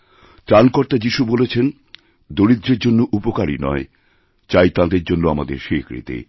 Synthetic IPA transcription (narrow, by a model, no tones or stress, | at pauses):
t̪ɾankoɾt̪ad͡ʑiʃubolet͡ɕʰen | d̪oɾid̪ɾeɾd͡ʑonːoʔupokaɾḭnɔ̰e | t͡ɕajt̪ãd̪eɾd͡ʑonːoamad̪eɾʃekɾḭt̪ḛ